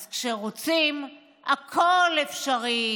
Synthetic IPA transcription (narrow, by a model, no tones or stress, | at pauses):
zkʃeʁot͡sim | akʰolefʃaʁi